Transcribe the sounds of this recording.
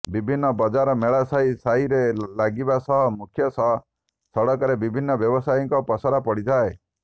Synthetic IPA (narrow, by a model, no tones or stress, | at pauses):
bibʱinːɔbɔd͡ʒaɾɔmeɭasajsaiɾelaɡibasɔɦɔmukʰjɔsɔɦɔ | sɔɽɔkɔɾebibʱinːɔbjɔbɔsajɔ̃ŋkɔpɔsɔɾapɔɽid͡ʒae